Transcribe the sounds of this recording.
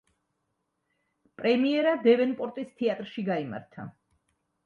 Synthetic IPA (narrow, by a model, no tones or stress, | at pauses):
pʼɾɛmiɛɾad̪ɛvɛnpʼɔɾt̪ʼist̪ʰiat̪ʼɾʃiɡaima̰ɾt̪ʰa̰